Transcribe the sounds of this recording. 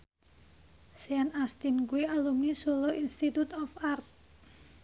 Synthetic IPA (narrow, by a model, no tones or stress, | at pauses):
sianast̪inkuialumisoloʔinst̪it̪ut̪ɔfart̪̚